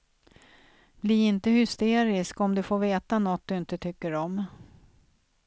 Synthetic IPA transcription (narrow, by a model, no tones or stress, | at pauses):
bliɾɪnt̪əhʏst̪eːɾɪskɔmd̪ɵfoːɾveːt̪anɔt̪̚d̪ɵɪnt̪ət̪ʰʏkːəɾɔm